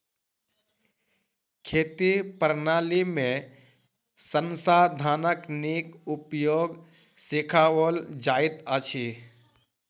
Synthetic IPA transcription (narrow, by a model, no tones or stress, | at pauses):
kʰeːt̪ipəɾnaːlimẽ | sənsad̪ʱaːnəknikupjoːɡ | sɪkʰawəld͡ʒaːɪt̪ət͡ʃʰi